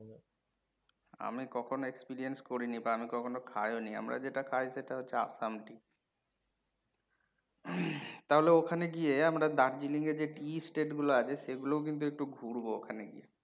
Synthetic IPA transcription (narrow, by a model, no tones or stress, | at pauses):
a̰mikɔkʰonoekspiɾienskoɾinibaamikɔkʰonokʰajonia̰mɾa̰d͡ʑeʈakʰajseʈaɦotːɕʰea̰samʈi | t̪aɦoleokʰaneɡieamɾad̪aɾd͡ʑiliŋed͡ʑeʈisʈeʈɡuloat͡ɕʰeʃeɡulook̬int̪̬uek̚ʈuɡʱuɾbookʰaneɡḭje